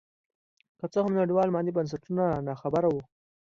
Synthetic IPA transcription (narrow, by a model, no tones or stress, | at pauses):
kət͡səhʊmnaɽiwɑlmɑnd̪ibans̬aʈunanɑxabaɾawu